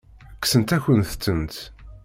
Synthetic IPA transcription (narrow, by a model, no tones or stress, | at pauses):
ksənt̪æçʷənθt͡sːənt̪